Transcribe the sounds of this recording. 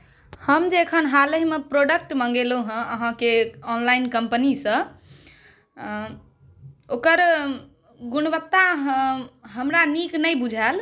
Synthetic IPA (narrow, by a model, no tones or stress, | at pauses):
həmd͡ʒekʰənɦaləɦmepɾoɖək̚ʈmə̃ŋɡelũɦə̃ʔəɦãkeɔnlainkəmpənisə̃ | okəɾ | ɡuñbət̪ːa | ɦəmɾaniknəjbud͡ʒʱal